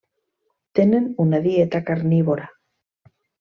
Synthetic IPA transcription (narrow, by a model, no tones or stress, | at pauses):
t̪enenunaðiet̪akaɾniβoɾa